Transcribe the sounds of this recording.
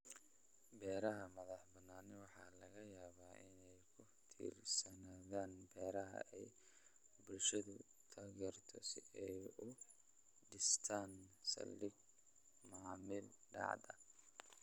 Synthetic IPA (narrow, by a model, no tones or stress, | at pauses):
bɛːɾɐɦɐmɐðɑħbɐnːaːnɪwɑħɑːlɐɣɐjaːβaːʔɪnɛjkʰʊ | t̪ʰḭːrsɐnaːðaːnbɛːɾɐɦɐ̰ʔɛj | bʊlʃɐðʊ | t̪ʰaːɣɛːrt̪ʰɔ̰sɪ̰ɛjʊ | ɖɪst̪ʰaːnsɐ̰lːɪɡ | maːmɪlɖɑ̰ʕd̪ɐ